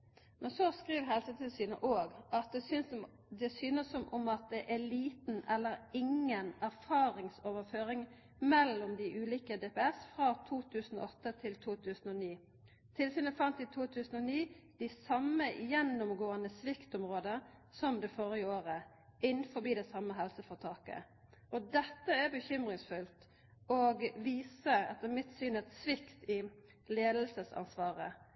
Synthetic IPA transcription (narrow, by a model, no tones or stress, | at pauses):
mɛnsɔskʁiːʋɦɛlsət̪ʰɪlsyːnə̰ʔoːɡɑt̪̚d̪ɛsʏns | d̪ɛsyːnəsːɔmɔmɑt̪̚d̪ɛʔæliːt̪n̩ʔɛlːəɾɪŋənæʁfɑːʁɪŋsoːʋəføːʁɪŋ | mɛlːʊmd̪ɪʔʉːliːkəd̪eːpɛːɛsfʁɑt̪ʰuːt̪ʰʉːsn̩o̰ːɔt̪ːət̪ʰɪlt̪ʰuːt̪ʰʉːsn̩ɔniː | t̪ʰɪlsyːnəfɑnt̪ɪt̪ʰuːt̪ʰʉːsən̩ɔniːd̪̥ɪsɑməjɛnːʊmɡoːənəsʋɪkt̪ɔmʁoːd̪əsɔmd̪ɛfoːɾɪəoːʁə | ɪnfɔbiːd̪ɛsɑmːəɦɛlsəfɔʁt̪ʰɑːkə̰ | ɔd̪ɛt̪ːəæɾbəçʏmʁɪŋsfʉlt̪ | ɔɡʋiːsəɛt̪ːəmɪt̪syːnɛt̪sʋɪkt̪ɪ | leːd̪lsəsɑ̰nsʋɑːʁə̰